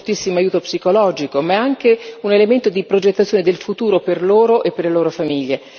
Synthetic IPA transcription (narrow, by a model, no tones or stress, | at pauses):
t̪isːimoajuːt̪opsikolɔːd͡ʒikomaaŋk̟eunelement̪od̪ipɾod͡ʒet̪ːat̪sjoːned̪elfut̪uːɾoperloːɾoʔepːerleloːɾofamiʎːe